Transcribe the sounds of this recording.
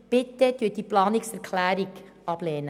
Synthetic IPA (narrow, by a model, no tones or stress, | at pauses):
b̥ɪt̪ːət̪yːt̚d̥iplɑːnɪksɛɾkʰlæːɾiɡ | ɑb̥leːnə